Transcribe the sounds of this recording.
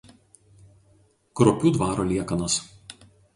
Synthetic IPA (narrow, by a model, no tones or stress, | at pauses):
kɾɔpʲuːd̪ʋɑːɾoːlʲiɛkɐnɐs